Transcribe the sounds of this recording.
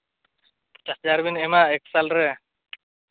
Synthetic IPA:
t͡ʃasd͡ʒaɾbinemaeksalɾɛ

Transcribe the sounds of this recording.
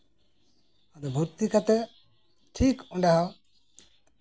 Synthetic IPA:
ad̪ɔbʱuɾt̪ikat̪ɛ | ʈʰikɔ̃ɳɖaɦa

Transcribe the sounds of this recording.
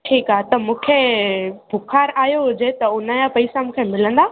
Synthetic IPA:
ʈʰiːkaɦt̪ɐmũːkʰebʱʊkʰaːɾaːjoɦʊd͡ʑet̪ɐʊnajãpɐisamũːkʰemɪlə̃nd̪aː

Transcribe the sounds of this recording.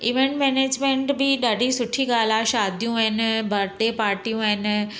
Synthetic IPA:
ɪʋẽɳʈmɛːneːd͡ʒmẽɳʈbʱiːɗaːɖiːsʊʈʰːiːɡaːlaːʃaːd̪ijũːɛnbəɾt̪eːpaːɾʈiːjũːɛn

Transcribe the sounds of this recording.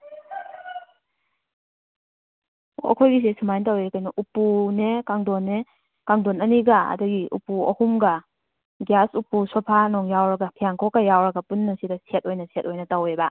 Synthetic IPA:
ɔ̰kʰɔjɡis̬esɯmajntawekajnɐʔupunekaŋdɔnːe | kaŋdɔnɐniɡaɐ̰dɔɡiʔṵpuɔhumɡɐ | ɡjasupusɔpʰanɔŋjawɾɐɡɐpʰijaŋkʰɔkːajawɾɐɡɐpunːɐsidɐset̚ojnɐset̚ojnɐtaweba

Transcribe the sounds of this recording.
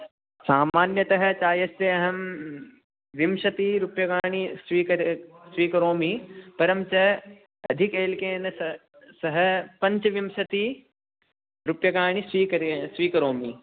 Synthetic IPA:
saːmaːnjɐt̪ɐɦɐ̆t͡ʃaːjɐst̪eɐɦɐm | ʋimʃɐt̪iɾupjɐɡaːɳ̃isʋiːksʋiːkɐɾoːmipɐɾɐmt͡ʃɐ | ɐd̪ʱikeːlkeːn | sɐɦɐ̆pɐ̃ɲt͡ʃʋimʃɐt̪i | ɾupjɐɡaːɳ̃isʋiːkɐɾsʋiːkɐɾoːmi

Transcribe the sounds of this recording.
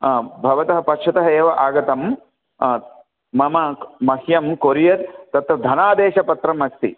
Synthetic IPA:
bʱɐʋɐt̪ɐɦɐ̆pɐkʂɐt̪ɐɦɐeːʋɐʔaːɡɐt̪ɐm | mɐmɐmɐhjɐmkoɾijɐɾt̪ɐt̪ɾɐd̪ʱɐnaːd̪eːʃɐpɐt̪ɾɐmɐst̪ḭ

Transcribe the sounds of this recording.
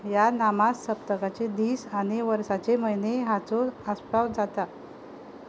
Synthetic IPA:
janamasːəpt̪əkat͡sed̪iːsañeʋəɾsat͡seməjneɦat͡soəspawd͡zat̪a

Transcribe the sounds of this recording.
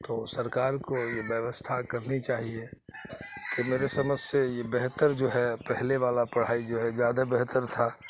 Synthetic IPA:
t̪oːsəɾkaːɾkojebjəʋəst̪ʰakəɾnit͡ʃaːɦie | kemeːɾesəməd͡ʒsejebeɦt̪əɾd͡ʒoːɦɛpɛɦleʋaːlapəɽ̤aːid͡ʒoːɦɛzjaːd̪abɛɦt̪əɾt̪ʰa

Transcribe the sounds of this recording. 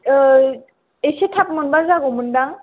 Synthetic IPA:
esetʰapmɔnbazaɡomundaŋ

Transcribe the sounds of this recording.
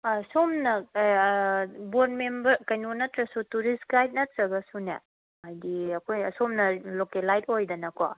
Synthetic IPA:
somnɐ | bod̚membɐɾkɐjnonɐtɾɐsutuɾisɡajt̚nɐtɾɐɡɐsunḛ | ɦajɡiɐkʰojsomnɐlokelajdojdɐnɐkɔ̰

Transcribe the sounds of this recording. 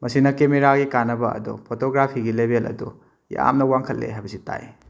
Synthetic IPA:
mɐsinɐkemeɾaɡikanːɐbɐɐ̰dɔ̰pʰotoɡɾapʰiɡilebʱelʔɐ̰dṵ | ja̰mnɐwaŋkʰɐlːḛɦajbɐsita̰j

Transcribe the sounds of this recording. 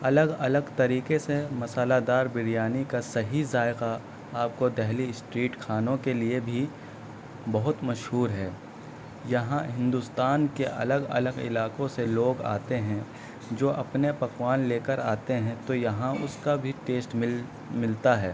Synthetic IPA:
ɐləɡɐləɡt̪ɐɾiːkesemɐsaːlad̪aːɾbɪɾijaːnikasɐɦizaːɪqa | aːp̚kod̪ɛɦlisʈɾiːʈkʰaːnõkeliebʱi | bɐɦʊt̪mɐʃɦuːɾɦɛː | jɐɦãɦɪ̃nd̪ust̪aːnkeʔɐ̰ləɡɐ̰ləɡɪ̰laːqõseloːɡa̰ːt̪eɦɛ̃ | d͡ʒoːʔɐpnepɐqwaːnleːkəɾaːt̪eɦɛ̃t̪ojɐɦãʊskabʱiʈeːsʈ | mɪlt̪aɦɛː

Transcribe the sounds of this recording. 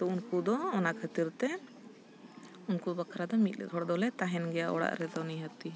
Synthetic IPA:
t̪ɔunkud̪ɔːnakʰət̪iɾt̪ɛ | unkubakʰɾad̪ɔmit̪̚lɛ̰ɔɽd̪ɔlɛt̪aɦɛnɡɛjaʔɔ̰ɽa̰ʔɾɛd̪ɔniɦət̪i

